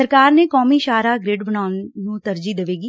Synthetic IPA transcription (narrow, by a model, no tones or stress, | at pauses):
əɾkaːɾneːkɔːmiːʃaːɾaːɡɾeːɖbəɳaːʊnːũːt̪əɾd͡ʒiːd̪əʋeːɡiː